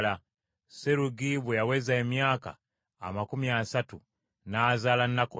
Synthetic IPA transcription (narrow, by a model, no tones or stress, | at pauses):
la | seɾuɡiβejawezaemjaːka̰ː | makumiasatu | nazalanako